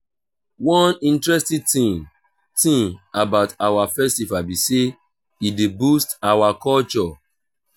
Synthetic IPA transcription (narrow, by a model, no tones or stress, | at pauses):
wɔ̃nĩntɹɛstĩtĩ | tĩŋabaʊtawafɛstifabise | idebustawakɔlt͡ʃɔ